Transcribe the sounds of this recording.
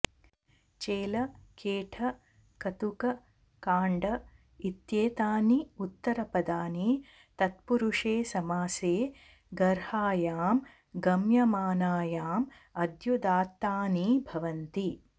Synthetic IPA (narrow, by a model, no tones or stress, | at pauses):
t͡ʃeːlɐkeːʈʰɐ | kɐt̪ukɐ | kaːɳɖɐ | it̪jeːt̪aːniut̪ːɐɾɐpɐd̪aːni | t̪ɐt̪̚puɾuʂeːsɐmaːseː | ɡɐɾhaːjaːm | ɡɐmjɐmaːnaːjaːm | ɐd̪jud̪aːt̪ːaːnibʱɐʋɐnt̪i